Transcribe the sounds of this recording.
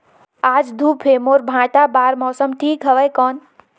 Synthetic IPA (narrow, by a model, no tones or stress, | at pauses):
ad͡ʒd̪ʱupʰemoɾbʱãʈabaɾmɔsəmʈʰikɦəʋəjkɔn